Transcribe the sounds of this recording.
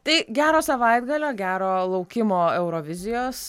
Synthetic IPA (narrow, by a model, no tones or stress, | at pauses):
t̪ɐɪɡʲæːɾoːsɐʋɐɪd̪ɡɐlʲoːɡʲæːɾoːlˠɐʊkʲɪmoːɛʊɾoːʋʲɪzʲɪjoːs